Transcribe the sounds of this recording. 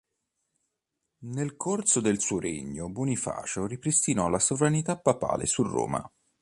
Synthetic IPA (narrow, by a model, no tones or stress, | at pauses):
nelkʰorsod̪elsuːoɾḛɲːʊbunifa̰ːt͡ʃoripɾist̪inɔlasovɾanit̪apːapa̰ːlḛsurːo̰ːma̰